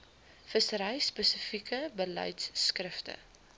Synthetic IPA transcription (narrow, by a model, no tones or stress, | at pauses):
fəsəɾəjspəsəfikəbəlɐ̰jtsːkrəftə̰